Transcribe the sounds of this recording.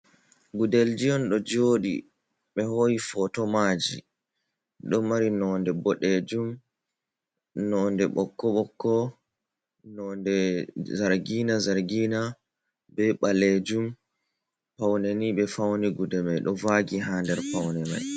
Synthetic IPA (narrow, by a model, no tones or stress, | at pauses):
ɡudɛld͡ʒijɔnɗɔd͡ʒoːɗḭ | ɓɛhojifɔtɔmad͡ʒḭ | ɗɔmaɾinɔːndɛbɔɗed͡ʒum | nɔːndɛɓɔkːɔɓɔkːɔ | nɔndɛzaɾɡiːnazaɾɡiːna | bɛɓaled͡ʒum | pawnɛniɓɛfawnɛɡudɛmajɗɔvaɡiɦaːndɛɾpawnɛma̰j